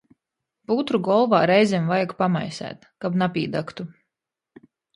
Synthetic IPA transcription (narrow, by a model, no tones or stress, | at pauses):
put̪ɾuɡɔlˠvaːɾɛjzʲɛmvajaɡpama̰jsæ̰ːt̪kabnapʲiːd̪akt̪u